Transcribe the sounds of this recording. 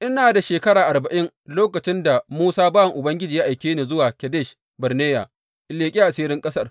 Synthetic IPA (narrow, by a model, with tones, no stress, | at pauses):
ʔɪ˦naː˨da˨ʃeː˨kɐ˦ɽaː˨ʔa˨rbɐ˨ʔɪ˦ŋ | loː˦kɐ˨t͡ʃɪ˦nda˨muː˦saː˦baː˦wɐ˨ŋʔʊ˨bɐ˦ŋɡʲɪ˦d͡ʒiː˨ja˦ʔa˨jkʲeː˦neː˨zʊ˦waː˨kʲɛ˨deː˦˨ʃ | bɐ˨rneː˦ja˨ | ʔɪ˨leː˨kʲʼiː˦ʔa˨siː˦ɾɪ˦ŋkʼɐ˦sɐ˦r